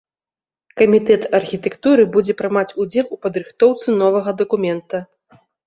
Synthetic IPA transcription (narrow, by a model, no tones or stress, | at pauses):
kɐmʲit̪ɛt̪ɐrxʲit̪ɛkt̪uɾɨbud͡zʲɛpɾɨmat͡sʲud͡zʲɛlˠupɐd̪ɾɨxt̪ɔwt̪sɨnɔvɐɣɐd̪ɐkumʲɛnt̪ɐ